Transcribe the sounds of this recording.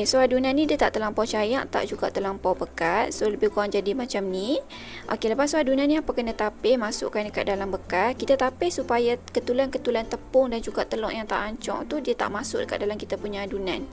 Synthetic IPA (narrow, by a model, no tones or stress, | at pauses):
kesoadunanːidiat̪aʔt̪əlampɔt͡ʃajaʔt̪a̰ʔd͡ʒuɡa̰ʔt̪əlampɔbəkat̪̚soləbɪhkuaŋd͡ʒadimat͡ʃamni | ʔo̰keləpaʔ̪soadunaniapakənat̪apɪhmasʊ̰ʔkːandəkat̪̚dalambəkat̪kit̪at̪apɪhsupajakət̪ulankət̪ulant̪əpʊŋdand͡ʒuɡaʔt̪əlɔ̰ʔjaŋt̪a̰ʔaɲt͡ʃɔ̰ŋt̪udiat̪a̰ʔmasʊ̰k̚dəkat̪̚dalamkit̪apuɲaːdunan